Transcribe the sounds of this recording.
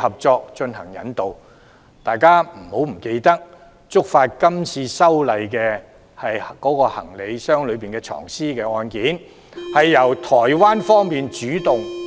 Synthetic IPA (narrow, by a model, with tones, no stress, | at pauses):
hɐ˨p̚t͡ʃɔː˧k̚t͡ʃɵ˧nhɐ˨˩ŋjɐ̰˨˥nt̪o˨w | t̪aː˨jkaː˥m̩˨˩ho˨˥wm̩˨˩ke˧jt̪ɐ˥k̚ | t͡sʊ˥k̚faː˧t̚kɐ˥mt͡sʰiː˧sɐ˥wlɐ˨˧jkɛː˧ | hɐ˨jkɔː˨˥kɔː˧hɐ̰˨˩ŋle˨˧jsœː˥ŋlɵ˨˧ɥpiː˨nkɛː˧t͡ʃʰɔ̰ː˨˩ŋsiː˥kɛː˧ɔː˧nkiː˨˥n | hɐ˨jːɐ˨˩wt̪ʰɔː˨˩jwaː˥nfɔː˥ŋmiː˨nt͡ʃyː˨˥t̪ʊ˨ŋ